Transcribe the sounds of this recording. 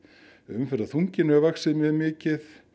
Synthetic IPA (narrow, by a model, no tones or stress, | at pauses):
ʏmfɛɾt̪aθuɲcɪnɛvaxsɪðmjɛðmɪːcɪθ